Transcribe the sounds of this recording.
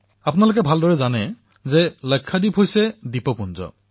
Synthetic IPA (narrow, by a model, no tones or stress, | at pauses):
apʊnalokɛbʱaldɔɹɛzanɛ | zɛlɔjkʰːadipɦojsɛdipɔpunzɔ̰